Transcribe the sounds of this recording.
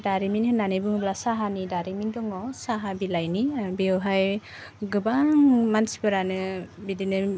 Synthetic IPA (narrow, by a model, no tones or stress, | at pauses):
daɾiminhɯnːanɯjbɯŋblasaɦanidaɾimindɔŋɔsaɦabilajnibeɔwɦaj | ɡɯbaŋmansi̥bɯɾanɯbidinɯ